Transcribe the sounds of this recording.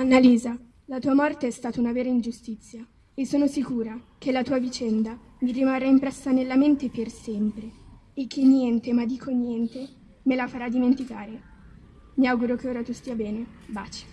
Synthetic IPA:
anːaliːza | lat̪uːamɔrt̪eɛst̪aːt̪aunavɛːɾaind͡ʒust̪it̪sːja | esːoːnosikuːɾak̟elat̪uːavit͡ʃɛnd̪a | mirimarːaimpɾesːanelːament̪epersɛmpɾeekʰːeɲːjɛnt̪emad̪ːiːkʰonjɛnt̪e | melafaɾad̪ːiment̪ikaːɾe | miawɡuɾok̟eoːɾat̪ust̪iːabɛːneba̰ːt͡ʃi̥

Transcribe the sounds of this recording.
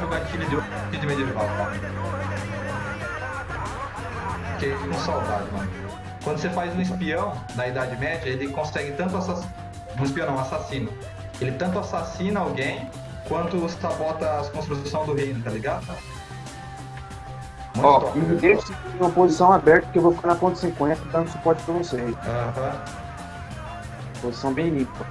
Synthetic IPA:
ʊɡat͡ʃiʎʊd͡ʒɪakid͡ʒ̪ɪmed͡ʒevaã | ʊkekũsawd̪ad͡ʒɪmɐ̰̃nʊ | kwɐ̃nd̪ʊsefajzũispiɐ̃w̃nɐid̪ad͡ʒɪmɛd͡ʒɐelɪkõsɛɡɪt̪ɐ̃nt̪ʊasas | ũispiɐ̃nɐ̃w̃asasĩnɐ | elɪt̪ɐ̃nt̪ʊasasĩnɐawɡẽj̃ | kwɐ̃nt̪ʊssavɔt̪ɐskõst̪ɾusɐ̃w̃d̪ʊɦejnʊt̪aliɡad̪ʊ | mũɔ̃mid̪eʃũmɐpozisɐ̃w̃abɛɾt̪ɐpkewvofi̥kaɾnɐpõt̪sẽkẽj̃ɐt̪ɐd̪ɐ̃nʊ̃sʊpɔɾt͡ʃɪ̥pɾɐvoseiɐ̃hɐ̃ | pozisɐ̃w̃bẽj̃lĩppɐ

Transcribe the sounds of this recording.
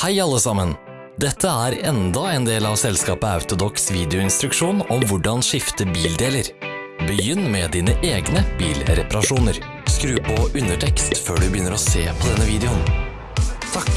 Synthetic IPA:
hæɪɑlːəsɑmən | d̪ɛt̪ʰːəæːɾɛnd̪ɑɛːnd̪eːlɑʋsɛlskɑːpəɑʉt̪ʊd̪ɔksʋiːd̪ɛʊɪnst̪ɾʉkʂuːnɔmʋʊɖɑnʃɪft̪əbiːld̪eːləɾ | bəjʏnːmɛd̪iːnəʔeːɡnəbiːlɾɛpɑɾɑʂuːnəɾ | skɾʉːpʰɔʉnːəʈʰɛkst̪føːɖʉbəjʏnːəɾɔseːpʰɔd̪ɛnːəʋiːd̪ɛʊn | t̪ʰɑk

